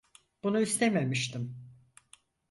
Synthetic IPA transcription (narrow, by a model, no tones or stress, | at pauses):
b̥unuist̪ememiʃt̪im